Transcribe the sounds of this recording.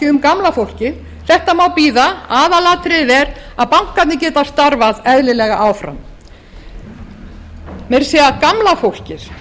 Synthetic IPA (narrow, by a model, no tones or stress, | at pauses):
ɪʏmkamlafowl̥cɪ | θɛht̪amaːwpiːðaaːðalaːt̪ɾɪðɛɾ | aðpawŋ̥kːat̪nɪcɛːt̪ast̪aɾvaðɛðlɪlɛɣaʔaːwfɾa̰m | mɛɾ̥sɛːakamlafowl̥cɪɾ̥